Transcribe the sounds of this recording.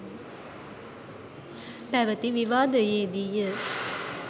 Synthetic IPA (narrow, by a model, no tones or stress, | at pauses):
pɛʋɐt̪iʋiʋaːd̪ɐjeːd̪ijə